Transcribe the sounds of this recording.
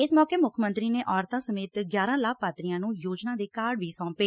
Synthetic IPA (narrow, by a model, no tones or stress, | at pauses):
ɪsmɔːkeːmʊkʰmənt̪ɾiːneːʔɔːɾt̪ãːsəmeːt̪ɡjaːɾãːlaːk̚ʰpaːt̪ɾɪjãːnũːjoːd͡ʒnãːd̪eːkaːɽʋiːsɔ̃ːpeː